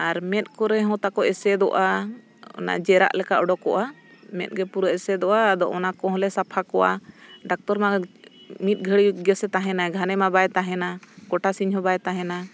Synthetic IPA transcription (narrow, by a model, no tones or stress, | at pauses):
aɾmɛt̪̚ˀkɔɾɛɦɔ̃t̪akɔʔɛsɛd̪ɔʔa | ɔ̰na̰d͡ʒɛɾa̰ʔlɛkaʔɔɖɔkɔʔamɛ̰t̪̚ɡɛpuɾaʔɛsɛd̪ɔʔad̪ɔ̰ʔɔnakɔ̃ɦɔ̃lɛsapʰakɔwa̰ɖak̚t̪ɔɾma | mit̪̚ˀɡʱəɽiɡɛsɛt̪aɦɛnaɡʱanɛmabajt̪aɦɛnakɔʈasiɲɦɔ̃bajt̪aɦɛna